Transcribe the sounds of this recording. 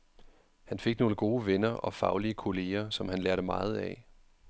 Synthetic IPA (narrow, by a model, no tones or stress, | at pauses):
hænfe̝ɡ̥no̝ːləɡ̥o̝ːʋenɐɒ̽fɑ̈ʊliəkʰo̝le̝ːɐsɒ̽mhænlæɐɾəmɑ̈ːð̞̩ˠɛ̰